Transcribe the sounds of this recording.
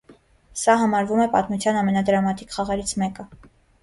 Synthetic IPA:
sɑɦɑmɑɾvumɛpɑt̪mut͡sʰjɑnɑmɛnɑd̪əɾɑmɑt̪ikχɑʁɛɾit͡sʰmɛkə

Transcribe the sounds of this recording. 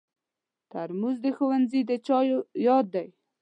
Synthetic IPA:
t̪aɾmuzd̪əxowanzid̪ət͡ʃɑjojɑd̪̚ːaj

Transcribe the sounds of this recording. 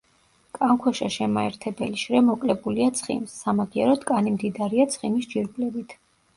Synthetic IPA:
kʼaŋkʰwɛʃɛʃɛmaɛɾt̪ʰɛbɛliʃɾɛmɔkʼlɛbuliat̪sʰχḭmsːamaɡiɛ̰ɾɔd̪kʼanimd̪id̪aɾiat̪sʰχimisd͡ʒiɾɡlɛbit̪ʰ

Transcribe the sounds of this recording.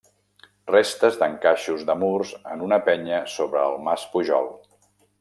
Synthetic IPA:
rest̪əzd̪əŋkaʃuzðəmurzənunəpɛɲəsoβɾəːlˠmaspuʒɔ̰lˠ

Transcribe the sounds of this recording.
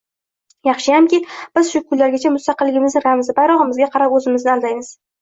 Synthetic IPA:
jɑχʃɪjamkʲib̥ɪz̥ʃʊkʰʊlːaɾɡʲat͡ʃʰamʊst̪ɑqɨlːɪɡʲɪmɪznɪɾamzɪbajɾɒʁɨmɪzɡʲaqʰɑɾapɵzɪmɪznɪalˠd̪ajmɪz̥

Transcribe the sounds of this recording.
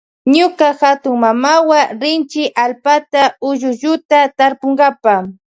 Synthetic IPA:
ɲʊkaxat̪ʊŋmamawaɾɪnt͡ʃɪʔalpat̪aʊʒʊʒʊt̪at̪aɾpʊŋɡapa

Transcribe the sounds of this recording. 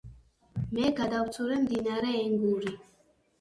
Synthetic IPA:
mɛɡad̪awt͡suɾɛm̩d̪inaɾɛɛŋɡuɾi

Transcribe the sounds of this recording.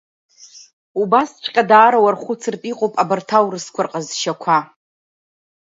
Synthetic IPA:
ubast͡ʃʷʰʼqʲʼadaːɾawarχʷʊt͡sʰɨrtʼiqʼowpʼabɨrtʰawrɨskʷʰarqʼazʃakʷʰa

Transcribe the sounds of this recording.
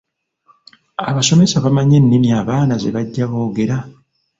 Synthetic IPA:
a̰βaso̞me̞saβamaɲe̞nːimiaːβaːnaze̞̰βaɟːaβo̞ːɡe̞ɾa

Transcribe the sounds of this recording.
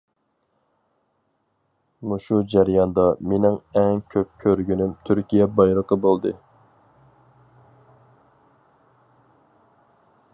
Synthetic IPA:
muʃud͡ʒæɾjɑnd̪ɑmenɪŋɛŋkʲʰøp̚kʲʰøɾɡʲynymt̪ʰyɾkʲijɛbɑjɾəqəbolˠd̪ɨ̰

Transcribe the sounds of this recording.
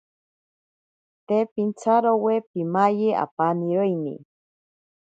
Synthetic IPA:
t̪epint͡sʰaɾowepimajea̰paniɾoinḭ

